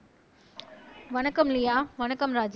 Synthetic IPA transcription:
ʋɐnɐkːɐmlijaːʋɐnɐkːɐmɾaːd͡ʒ

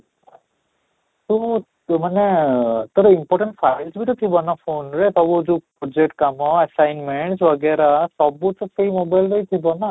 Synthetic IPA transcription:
t̪u | manɛt̪oɾimpɔɾʈeɳʈpʰajlsbit̪ɔt̪ʰibɔnapʰonɾet̪ɔbuzupɔd͡ʒek̚ʈ̚kamɔasajnmeɳʈswaɡɛɾasɔbut̪ɔsejmobajlɾejt̪ʰibɔna

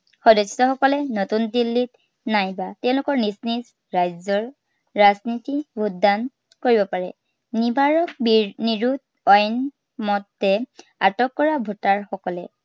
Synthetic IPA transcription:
xɔdɔsɔxɔkɔlɛnotundilːit | najbatɛʊ̃lʊkɔɹnizniz | ɹajzɔɹ | ɹaznitibudan | koɹibɔpaɹɛ̰ | nibʱaɹɔkbniɹud | ɔjn | mɔtːɛ | a̰tɔkːɔɹabʱotaɹxɔkɔlɛ

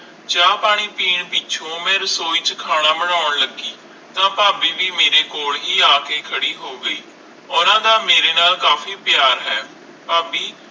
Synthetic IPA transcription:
d͡ʒãːpaːɽ̃iːpiːɳpɪt͡ʃʰõːmẽːɾsoːiːt͡ʃkʰaːɽ̃aːmənaːʊɳləɡiː | t̪ãːpaːbiːʋiːmeːɾeːkoːlɦiːaːkeːkʰəɽiːɦoːɡəiː | ʊnãːd̪aːmeːɾeːnaːlkaːfiːpjaːɾɦɛː | paːbiː

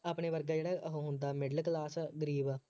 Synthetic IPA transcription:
aːpɳeːʋəɾɡaːd͡ʒeːɽaːʔəɦõɦʊ̃nd̪aːmɪɖəlklaːsɡəɾiːb

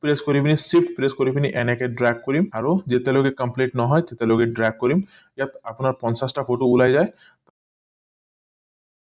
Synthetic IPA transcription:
pɾeskoɾibinisipʈpɾeskoɾibiniʔɛnɛkeɖɾɛɡ̚koɾimaɾod͡ʑet̪eloɡekɐmpleʈnɔɦɔet̪et̪eloɡeɖɾɛɡ̚koɾim | jat̪apnaɾpɔnsasʈafʰoʈoulajd͡ʑae | t̪

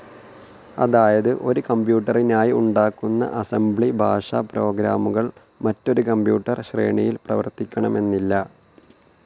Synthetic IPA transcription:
ɐ̰ðaːjɐðɨʔo̞ɾukɐmbjuːʈːɐrinaːjiuɳɖaːkːunːɐ̰ʔɐsembɭibʱaːʂapɾo̞ːɡɾaːmuɣɐɭ | mɐtːo̞ɾukɐmbjṵːʈːɐrɕre̞̰ːɳijilprɐʋɐ̰rt̪ːikʲːɐɳɐme̞nːilːɐ

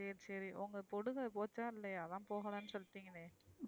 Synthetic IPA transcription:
eɾsɐɾiʔɔŋɡɐpɔɽɯɣɐpoːt͡ʃːaːɪlːɐjɐðãːpoːɣɐɭaːnːɯsɔlːɯt̪ːiːŋɡɐneː

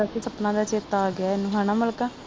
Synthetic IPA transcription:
asiːsəpnãːd̪aːt͡ʃeːt̪aːɡɪaːɪnũːɦaːñaːməlkaː

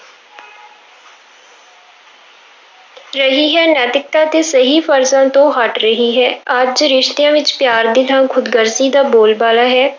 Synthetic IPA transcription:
ɾəɦiːɦɛːnɛːt̪ɪk̚t̪aːt̪eːsəɦiːfəɾzãːt̪õːɦəʈɾəɦiːɦɛːəd͡ʒɾɪʃt̪ejãːʋɪt͡ʃpjaːɾd̪ɪlãːkʰʊd̪ɡəɾsiːd̪aːboːlbaːlaːɦɛː

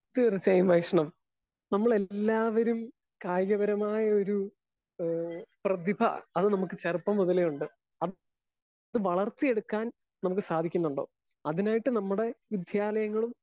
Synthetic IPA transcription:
t̪ːiɐrɐt͡ɕːaːjmʋɐjkʂɐɳɐm | nɐmːɐɭe̞lːaːʋɐɾum | kaːjɣɐbɐɾɐmaːjɐo̞ɾu | prɐðibʱɐ̰ɐðɨnɐmukːɨt͡ɕɐrpːɐmːuðɐlejuɳɖɨ | ɐð | ɐðɨʋɐɭɐrt̪ːije̞ɽukːaːn | nɐmuk̬ːɨsaːd̪ʱikʲːunːuɳɖoː | ɐðinaːjiʈːɨnɐmːuɽe̞ʋid̪ʱjaːlɐjɐŋːɐɭum

